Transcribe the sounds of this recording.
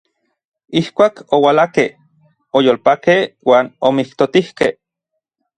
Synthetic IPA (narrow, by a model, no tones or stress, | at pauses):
ihkʷaːkowalakeh | ojoːlpakehwaːnomiht̪ot̪ihkeh